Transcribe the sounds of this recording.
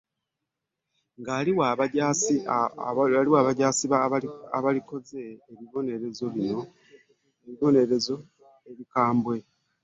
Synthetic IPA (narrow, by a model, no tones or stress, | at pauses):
ŋɡaːliwaβaɟasi | aliwaːβaɟaːsiβaaβaliko̞ze̞ːβiβo̞ne̞ɾezo̞βino | eβiβo̞ne̞ɾezo̞ | eβikaːmbwe̞